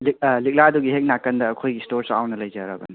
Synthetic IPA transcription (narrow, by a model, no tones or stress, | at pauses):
lilik̚laɐduɡiɦek̚nakːɐndɐːkʰojɡistoɾsa̰wnɐlɐjd͡ʒaɾɐbɐ̰ni